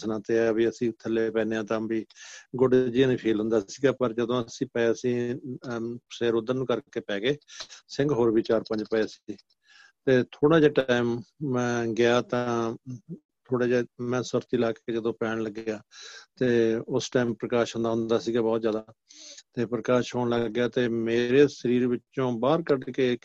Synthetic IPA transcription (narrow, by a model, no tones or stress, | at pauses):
snãːt̪eːabiːəsĩːt̪ʰəlːeːpɛ̃ːneːãːt̪ãːbiːɡʊɖd͡ʒiːãːnĩːpʰiːlɦʊ̃nd̪aːsiːɡaːpəɾd͡ʒəd̪õːəsĩːpɛeəsĩː | seːɾʊd̪əɾnũːkəɾkeːpɛ̃ːɡeːsɪ̃ŋɡɦoːɾbiːt͡ʃaːɾpə̃ɲd͡ʒpəeːsi | t̪eːt̪ʰoːɽaːd͡ʒaːʈaːimːɛ̃ːɡɪaːt̪ãː | t̪ʰoːɽaːd͡ʒaːmɛ̃ːsʊɾt̪iːlaːkːeːd͡ʒəd̪õːpɛːɳləɡɪaːt̪eːʊsʈaːimpɾəkaːʃɦʊ̃nd̪aːɦʊ̃nd̪aːsiːɡaːbɔːt̪zjaːd̪at̪eːpɾəkaːʃɦoːɳləɡːjaːt̪eːmeːɾeːsəɾiːɾʋɪt͡ʃːʃõːbaːɾkəɖkeː